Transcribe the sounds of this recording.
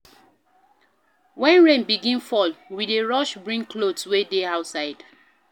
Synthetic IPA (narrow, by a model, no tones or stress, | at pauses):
wɛ̃nɹẽnbiɡĩnfɔlwideɹɔʃbɹĩŋklodswedeaʊtsaɪd